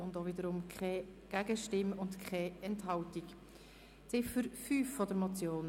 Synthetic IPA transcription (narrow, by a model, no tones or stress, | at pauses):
ʊndovɪdəɾʊmkʰχɛɡ̥æɡ̥əʃtɪmʊndkʰɛɛntɦɑwtik | sɪʃfʏɾfyːfːɔdəɾmɔt͡sjoːn